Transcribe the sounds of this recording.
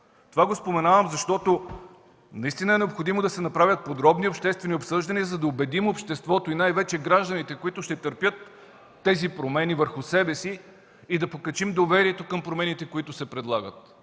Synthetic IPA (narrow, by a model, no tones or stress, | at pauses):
t̪ovaɡospomɛnavəmzɐʃt̪ɔt̪o | nɐist̪inɐɛnɛopxod̪imod̪ɐsɛnɐpɾavʲət̪̚pod̪ɾɔbniopʃt̪ɛst̪vɛniopsɤʒd̪ɐniəzɐd̪ɐobɛd̪imopʃt̪ɛst̪vɔt̪oinajvɛt͡ʃɛɡɾaʒd̪ɐnit̪ɛkoit̪ʊʃt̪ɛt̪əɾpʲjɤt̪ː | ɛzipɾomɛnivəɾxʊsɛbɛsiː | d̪ɐpokɐt͡ʃimd̪ovɛɾiɛt̪okɤmpɾomɛnit̪ɛkoit̪ʊsɛpɾɛd̪lˠaɡət̪̚